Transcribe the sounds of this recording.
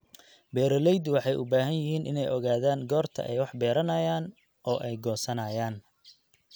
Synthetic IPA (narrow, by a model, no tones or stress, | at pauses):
bɛːɾɔlɛjd̪wɑħɑjʔʊbaːɦɐnjɪɦiːnʔɪ̰nɛjʔɔɣaːðaːŋɡɔːrt̪ʰɐ̰ʔɛ̰jwɑħbɛːɾɐnɐjaːn | ʔɔːʔɛjɡɔːsɐnɐːjaːn